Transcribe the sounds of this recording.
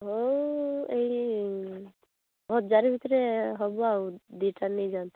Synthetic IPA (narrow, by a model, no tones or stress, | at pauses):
ɦo | ei | bʱɔt̪̚d͡ʒaɾibʱit̪ɾeɦɔbuawd̪iʈʰanejd͡ʒant̪e̥